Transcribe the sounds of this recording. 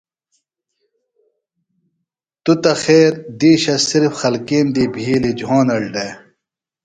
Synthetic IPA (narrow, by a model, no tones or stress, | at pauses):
t̪ut̪ɐxeːɾd̪iːɕɐsiɾfxɐlkiːmd̪iːbʱiːlid͡ʑʱaːnɐɽɖeː